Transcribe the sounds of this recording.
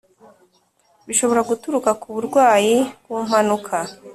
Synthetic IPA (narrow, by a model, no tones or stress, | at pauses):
βiʃo̞βo̞ɾaɡutuɾukakuβuɾɡwaːjib̚ɡuːm̥hanukʰa